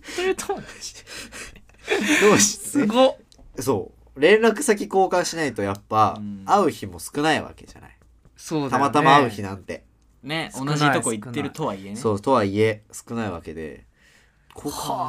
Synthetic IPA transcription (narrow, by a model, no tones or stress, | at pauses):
ɾet̪ʰo̥ | d̪oːɕi̥ɡo | so̞ː | ɾẽ̞nɾakɯ̟sak̬ʲiko̞ːkãɰ̃ɕinait̪o̞japːaːɯ̟çimo̞sɨ̥kɯ̟naiβa̰ke̞̰ʑa̰na̰i | soːdt̪amat̪amaaɯ̟çinãnt̪e̞̰ | nesoonaʑiokoit̪ːeɾɯ̟t̪oβaiesoːt̪o̞βaie̞sɨ̥kɯ̟naiβa̰ke̞d̪e̞̰ | kʰ